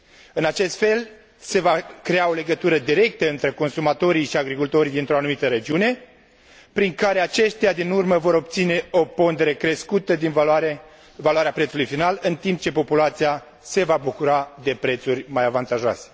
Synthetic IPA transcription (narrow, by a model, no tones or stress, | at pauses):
ɨnat͡ʃe̞st̪fe̞l | se̞vakɾeao̞le̞ɡət̪uɾəd̪iɾe̞k̚t̪əɨnt̪ɾe̞ko̞nsumat̪o̞ɾiʃiaɡɾikult̪o̞ɾid̪int̪ɾo̞anumit̪əɾe̞d͡ʒiune̞ | pɾiŋkaɾe̞at͡ʃe̞ʃt̪ead̪inurməvo̞ɾo̞b̚t̪sine̞o̞po̞nd̪e̞ɾe̞kɾe̞skut̪əd̪invaɾ | valuaɾeapɾet̪sulujfinalɨnt̪imp̚t͡ʃe̞po̞pulat̪sija | se̞vabukuɾad̪e̞pɾe̞t̪surʲmajavant̪aʒoa̰se̥